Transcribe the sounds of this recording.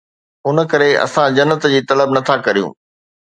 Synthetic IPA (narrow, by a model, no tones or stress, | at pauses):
ʊnə̆kɐɾeɐ̰sãd͡ʑɐnːət̪d͡ʑiːt̪ɐləbnɐt̪ʰakɐɾijṵ̃ː